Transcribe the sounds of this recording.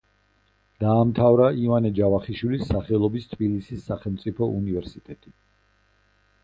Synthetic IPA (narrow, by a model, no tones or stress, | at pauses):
d̪̥aːmt̪ʰavɾaivanɛd͡ʒavaχiʃwilisːaχɛlˠɔbist̪ʰbilisisːaχɛlˠmt̪sʼipʰɔʔunivɛɾsit̪ʼɛt̪ʼi